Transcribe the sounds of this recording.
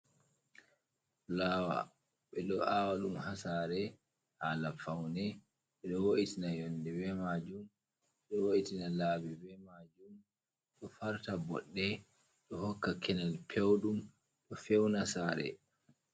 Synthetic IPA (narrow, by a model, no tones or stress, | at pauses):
laːwa̰ | ɓɛɗɔʔawaɗumhasaɾɛ | haːlafawnɛ | ɓɛɗɔwoʔitinajɔndɛvɛmad͡ʒum | ɛɗɔwoʔitinalaːbivɛmad͡ʒum | ɗɔfaɾtabɔ̰ɗːɛ | ɗɔhɔkːakʰɛnalpʰewɗum | ɗɔfɛwnasaːɾɛ̰